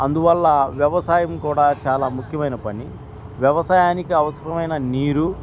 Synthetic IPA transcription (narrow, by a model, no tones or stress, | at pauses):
ɐnd̪uʋɐlːɐʋjɛʋɐsaːjɐmkuːɽaːt͡ʃaːlaːmukʰjɐmɐjnɐpɐni | ʋjɛʋɐsaːjaːnikiɐʋɐsɐɾɐmɐjnɐniːɾu